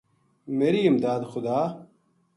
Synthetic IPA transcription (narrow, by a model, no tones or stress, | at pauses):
meːɾiːɪmd̪aːd̪xʊd̪aː